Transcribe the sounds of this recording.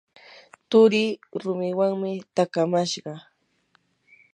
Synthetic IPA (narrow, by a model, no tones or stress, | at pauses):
t̪ʊɾiɾʊmɪwaŋmɪt̪akamaʃɢɑ